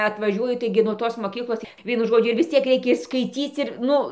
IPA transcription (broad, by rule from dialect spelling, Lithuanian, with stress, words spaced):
ɐtʋɐˈʒʲuɔjʊ ˈtɐɪɡʲɪ nuɔ ˈtoːs moːˈkʲiːklˠoːs ˈʋʲiɛnʊ ˈʒoːd͡ʒʲʊ ɪr ʋʲɪs ˈt͡sʲiɛk rʲɛɪˈkʲɛ ɪr skɐɪˈt͡sʲiːt͡s ɪr ˈnʊ